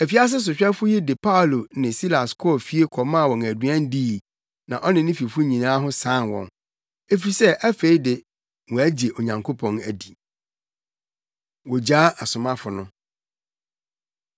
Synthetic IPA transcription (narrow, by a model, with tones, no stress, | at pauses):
æ˨fi˨˦a˦s̬ɪ˦s̬ʊ˨ɕᶣɛ˦fʊ˦jɛ˦dɪ˨pʰa˦˨lo˨nɪ̃˨si˦la˨skʰɔ˦ɔ˦˨fi˦e˦kʰɔ˨mã˦˨wɔ̃˨ŋæ˨dɥã˦n˦diː˦˨ | nã˨ʔɔ˦nɪ̃˨nɪ̃˦fi˨fu˦ɲĩ˨nãː˦ɦʊ̃˦sãː˦˨nwɔ̰̃˨n | e˦fi˨sɛ˦ʔæ˦fe˨˦i˦dɪ˨ | wɔ̃˨æ˦d͡ʑe˨ʔo˨ɲã˨ŋkʰo˦pʰɔ̃˨næ˨di˨ | wɔ˨d͡ʑaː˦ʔa˨sʊ˨mã˦fʊ˨nʊ̃˦